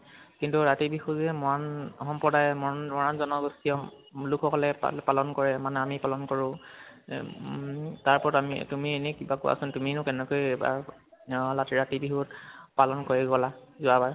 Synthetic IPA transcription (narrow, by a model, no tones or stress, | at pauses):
kintuɹatibixuzɛmɔanxɔmpɹɔdajmɔmɔɹanzɔnɔɡostiɔ | lukʰɔkɔlɛpa̰palɔnkɔɹɛmanɛamipalɔnkɔɹʊ̃ | taɹpɔɹɔtamḭtumienɛkibakua̰sɔntuminʊkɛnɛkojba̰ | latiɹatibixutpalɔnkoɹiɡɔlazʊabaɹ